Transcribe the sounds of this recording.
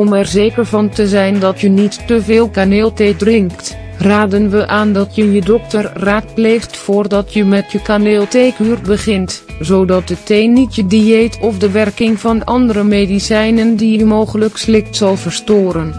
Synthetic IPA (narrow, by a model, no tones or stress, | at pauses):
ɔmɛrzejkəɹvɑntəzɛjndɑtjənitːəvɪːlˠkaneːlˠtejdrɪŋkt | raːdənʋəʔaːndɑtjəjədɔktərraːt̚plejχtfʊːrdɑtjəmɛtjəkaneːlˠtejkyrbəχɪntzowdɑt̚dətejnːitjədiejtɔfdəʋɛrkɪŋvɑnɑndərəmedisɛjnəndijmowχələkslɪχtsɑlˠvəɹstoːɾən